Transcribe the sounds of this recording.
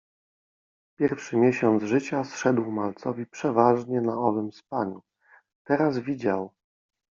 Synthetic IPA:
pʲjɛɾfʂɘmʲjɛɕɔnd̪zʐɘt͡ɕasʂɛd̪wmalt̪sɔvʲipʂɛvaʐɲɛnaɔvɘmspaɲu | t̪ɛɾazvʲid͡ʑaw

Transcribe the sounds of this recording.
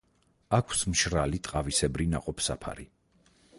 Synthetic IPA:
akʷʰsmʃɾalit̪ʼqʼavisɛbɾina̰qʼɔpʰsa̰pʰa̰ɾi

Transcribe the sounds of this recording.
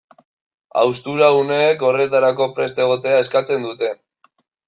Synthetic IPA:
a̰wst̪uɾaune̞ːko̞re̞t̪aɾako̞pɾe̞st̪e̞ɣ̞o̞t̪e̞ae̞skat͡se̞nd̪ut̪e̞

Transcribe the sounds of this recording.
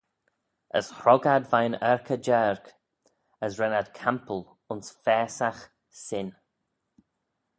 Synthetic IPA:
ə̰shɾɔɡad̪vajnɛɹkʰəd͡ʒɛɹk | əsɹɛnad̪kʰampʰəl | ʊnsfɛːsax | sɪn

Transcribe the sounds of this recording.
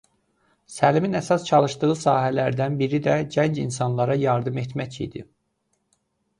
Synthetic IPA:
sæliminæsɑst͡ʃʰɑlˠɯʃd̪ɯɣɯsɑːɦælæɾd̪ænbiɾid̪æɟænd͡ʒinsɑnlˠɑɾɑjɑɾd̪ɯme̞t̪ʰmæcʰḭd̪ḭ

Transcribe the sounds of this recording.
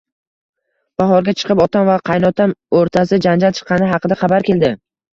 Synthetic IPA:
b̥aɦɒɾɡʲat͡ʃʰɨ̥qʰɨpɒt̪ʰamvaqʰɑjnɒt̪ʰamoɾt̪ʰasɪd͡ʒand͡ʒalt͡ʃʰɨ̥qːɑnɪɦɑqʰɨd̪aχɑbaɾkʲe̞ld̪ɪ

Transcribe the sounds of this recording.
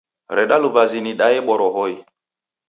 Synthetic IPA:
ɾɛɗalʊbaziniɗaɪɓɔɾɔɦɔi

